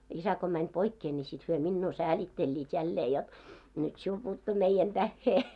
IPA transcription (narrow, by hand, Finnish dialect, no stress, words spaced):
isæ ko mænʲ poikːeː nʲi sit hyø minːuː sæːlitːelʲːiːt jælːeː jot nyt siul puːtːu meijæn tæhːeː